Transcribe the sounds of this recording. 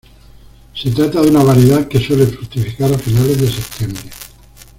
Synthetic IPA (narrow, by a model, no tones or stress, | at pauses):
set̪ɾat̪aðunaβaɾjeðake̞swelefɾut̪ifikaɾafinale̞zðe̞se̞p̚t̪je̞mbɾe